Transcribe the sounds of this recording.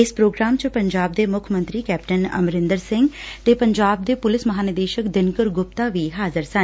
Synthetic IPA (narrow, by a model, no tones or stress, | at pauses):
ɪspɾoːɡɾaːmt͡ʃpɐɲd͡ʒaːb̚d̪emʊkʰmə̃nt̪ɾikɛːpʈənɐ̰mɾɪ̃nd̪əɾsɪ̃ŋɡt̪epɐɲd͡ʒaːb̚d̪epʊlɪsmɐɦaːnɪd̪eːʃəkd̪ɪnkəɾɡʊpt̪aʋiːɦaːzəɾsən